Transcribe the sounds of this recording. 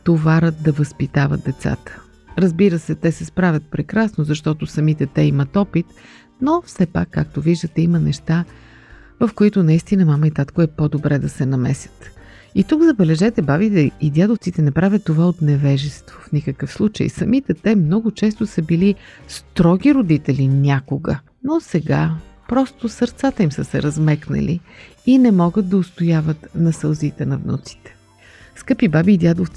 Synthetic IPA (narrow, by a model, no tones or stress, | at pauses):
t̪ovaɾət̪̚d̪ɐvɐspit̪avə̰d̪̚d̪ɛt̪sa̰t̪ə̥ | ɾəzbiɾəsɛt̪ɛsɛspɾavʲət̪̚pɾɛkɾasnozɐʃt̪ɔt̪ʊsɐmit̪ɛt̪ɛimət̪ɔpit̪ | nofsɛpa̰kːa̰k̚t̪oviʒd̪ət̪ɛimənɛʃt̪a | vəfkoit̪ʊnɐist̪inəmaməit̪at̪koɛpod̪obɾɛd̪ɐsɛnɐmɛsʲjə̥t̪ | it̪uɡzɐbɛlɛʒɛt̪ɛbavit̪ɛid̪ʲjad̪oft̪sit̪ɛnɛpɾavʲət̪ːovaot̪nɛvɛʒɛst̪vo̥fnikəkəfslˠut͡ʃə̰j̰sɐmit̪ɛt̪ɛmnɔɡʊt͡ʃɛst̪ʊsəbilist̪ɾɔɡ̟ʲiɾod̪it̪ɛlʲinʲakoɡə̰ | nosɛɡapɾɔst̪osəɾt̪sat̪əimsəsɛ̰ɾɐzmɛknɐ̰li | inɛmɔɡət̪̚d̪ɐʊst̪ojavət̪nɐsəlˠzit̪ɛnɐvno̰t̪si̥t̪ɛ̥ | skɤpibabiːd̪ʲjad̪oft̪s